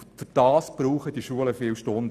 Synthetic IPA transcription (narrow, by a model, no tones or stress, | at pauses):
fyd̥ɑːsb̥ɾuːχəd̥iʃuələfɪːwʃtond